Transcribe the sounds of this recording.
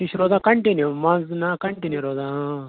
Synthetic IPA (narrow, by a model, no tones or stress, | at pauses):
iʃɾoːd̪akɐɳʈenimãnznakɐɳʈeniɾoːd̪ã